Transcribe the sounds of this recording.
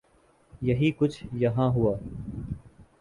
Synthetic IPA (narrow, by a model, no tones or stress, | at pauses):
jɐɦiːkʊt͡ʃʰjɐɦãːɦʊaː